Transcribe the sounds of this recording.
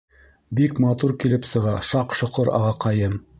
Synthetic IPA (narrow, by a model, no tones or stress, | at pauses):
bikmɑt̪uɾkilɘpsɤ̆ʁɑʃɑqʃŏqoɾɑ̰ʁɑqɑjɤm